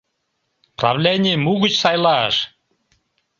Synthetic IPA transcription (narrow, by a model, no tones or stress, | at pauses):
prɑ̰vlʲenʲijmuɣɨt͡ɕsɑjlˠɑ̰ʂ